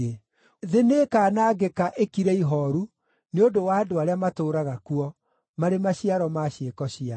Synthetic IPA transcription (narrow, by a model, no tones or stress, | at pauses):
e | ðenekaːnaːɡekaʔekiɾeiɦɔɾu | neodowaːdoaɾeamatoːɾaɣakuɔ | maɾemaɕiaɾɔmaɕekɔɕia